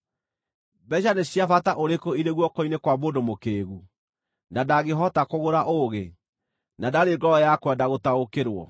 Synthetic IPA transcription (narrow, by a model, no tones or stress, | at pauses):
bɛʃaneɕjafataʔoɾekoiɾeɣwɔkɔinekwamodomokeːɣu | nadaɣeɦɔtakoɣoɾaʔoɣe | nadaɾeːŋɡɔɾɔjakwɛdaɣotaokeɾwɔ̰